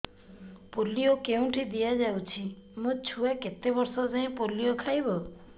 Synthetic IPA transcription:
poliokeũʈʰid̪ijad͡ʒawt͡ʃʰimũt͡ʃʰuaket̪ebɔɾsɔzaẽpoliokʰajbɔ

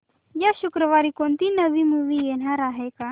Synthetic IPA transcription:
jaɕukɾəʋaɾiːkoɳt̪iːnəʋiːmuʋiːjeɽaɾaɦeka

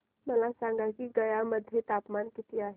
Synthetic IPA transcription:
məlasãŋɡakiɡəjaməd̪ʱjet̪aːpmankɪt̪iaːɦe

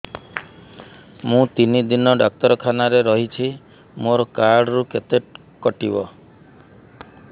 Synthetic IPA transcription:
mũt̪inid̪inɔɖɔk̚t̪ɔɾɔkʰanaɾeɾɔɦit͡ʃʰi | moɾɔkaɾɽɔɾuket̪e | kɔʈibɔ

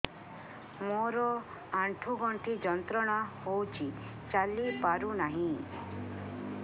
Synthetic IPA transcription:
moɾɔ | aɳʈʰuɡɔɳʈʰid͡ʒɔnt̪ɾɔɽ̃ahowt͡ʃʰi | t͡ʃalipaɾunaɦĩ

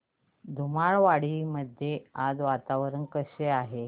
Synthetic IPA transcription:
d̪ʱumaɭʋaɽiməd̪ʱjead͡zʋat̪aʋɾənkəɕeaɦe

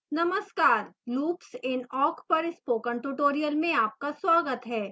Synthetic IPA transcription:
nɐməskaːɾluːpsɪnɔːkpɐɾɪspoːkəɳʈuʈoːɾijəlmẽaːp̚kaswaːɡət̪ɦɛː

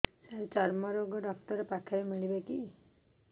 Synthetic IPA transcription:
seɾet͡ʃaɾmɔɾoɡɔɖɔk̚ʈɔɾepakʰaemiɭibeki

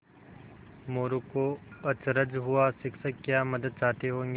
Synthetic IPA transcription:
moːɾukoɐt͡ʃɾəd͡ʒɦʊasɪkʰsəkkːjaːməd̪əd̪̚t͡ʃaːt̪eɦõːŋɡ

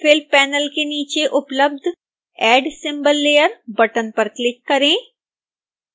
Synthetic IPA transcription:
fʰɪlpɛːnəlkeniːt͡ʃeʔʊpləb̚d̪ʱ | ɛːɖsɪ̃mbəlːeːjəɾbɐʈənpɐɾklɪkːɐɾẽː

